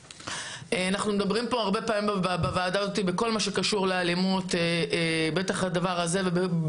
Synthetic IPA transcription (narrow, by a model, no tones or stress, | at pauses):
eanaχnumed̪abʁimpo̞aʁbe̞paːmimbavaːdaazot̪̬ibeko̞lmaʃe̞kaʃuʁlealimut̪eebetaχad̪avaʁaze̞vebe